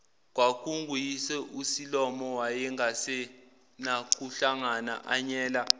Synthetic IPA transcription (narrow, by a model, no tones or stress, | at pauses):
k̬ʼwakʰʼuŋɡʱujisɛʔusilɔmɔwajɛŋɡʱasɛ | nak̬ʼuɬaŋana̰ʔaɲɛːla